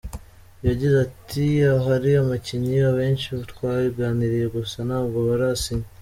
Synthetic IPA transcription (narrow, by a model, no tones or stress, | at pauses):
jaɟizatʰiaɦaɾiamaciɲiaβe̞ːnʃiβatwaːβibɡaːniɾije̞ɡusanaːbɡoβaɾasiɲi